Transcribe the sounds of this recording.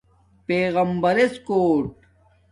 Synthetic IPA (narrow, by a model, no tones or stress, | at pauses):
peːɣɐmbɐɾeskoːʈ